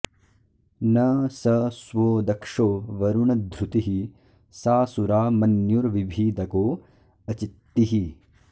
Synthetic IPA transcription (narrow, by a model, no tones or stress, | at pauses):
nɐsɐsʋoːd̪ɐkʂoːʋɐɾuɳɐd̪ʱɾut̪iɦi | saːsuɾaːmɐnjuɾʋibʱiːd̪ɐkoː | ɐt͡ʃit̪ːiɦi